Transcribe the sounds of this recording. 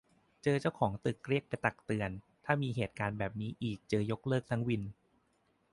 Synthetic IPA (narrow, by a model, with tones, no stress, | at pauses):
t͡ɕɤː˧t͡ɕa˥˩wkʰɔː˩˦ŋt̪ɯ˨˩k̚ɾi˥˩ək̚pa˧jt̪a˨˩k̚t̪ɯ˧ən | t̪ʰaː˥˩miː˧ɦeː˨˩t̪̚kaː˧nbɛː˨˩p̚niː˦˥ʔiː˨˩k̚t͡ɕɤː˧jo˦˥k̚lɤː˥˩k̚t̪ʰa˦˥ŋwi˧n